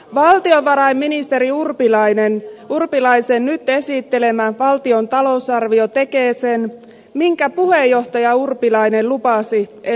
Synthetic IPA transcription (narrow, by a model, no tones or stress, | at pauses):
ʋɑlt̪io̞ʋɑɾɑjmːinist̪e̞ɾiurpilɑjnenurpilɑjse̞nnyt̪ːe̞sit̪ːe̞le̞mæʋɑlt̪io̞nt̪ɑlo̞usɑrʋio̞t̪e̞ke̞ːse̞n | miŋkæpuhe̞jːo̞ht̪ɑjɑurpilɑjne̞llupɑsie